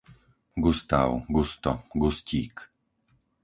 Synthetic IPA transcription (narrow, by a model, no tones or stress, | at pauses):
ɡust̪a̰wɡust̪ɔ̰ɡusciːk